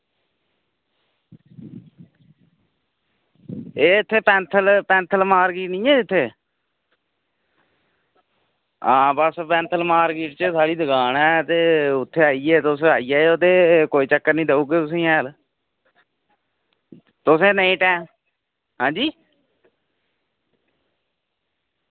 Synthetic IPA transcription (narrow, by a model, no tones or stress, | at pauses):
eːt̪ʰːeːpɛ̃ːnt̪ʰəlpɛ̃ːnt̪ʰəlmaːɾɡiːʈnĩːɛːɪt̪ʰːeː | ãːbəspɛ̃ːnt̪ʰəlmaːɾɡiːʈt͡ʃəsaːɽiːd̪əɡaːnɛːt̪eːʊt̪ʰːeːaːiːeːt̪ʊsaːiːɛːoːd̪eːkoːiːt͡ʃəkːəɾnĩːd̪əuːɡeːt̪ʊs̬ĩːɛ̃ːl | t̪ʊsẽːneːʈɛ̃ː | ɦãːd͡ʒiː